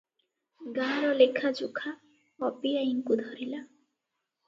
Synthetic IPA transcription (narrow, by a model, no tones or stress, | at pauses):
ɡaɾɔlekʰad͡ʒukʰa | pɔpiaiŋkud̪ʱɔɾila